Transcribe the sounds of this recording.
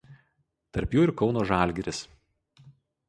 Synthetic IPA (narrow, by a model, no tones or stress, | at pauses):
t̪ɐɾʲpʲjuːɪɾkɒʊnoːʒɑˑlʲˑɡʲɛɾʲɪs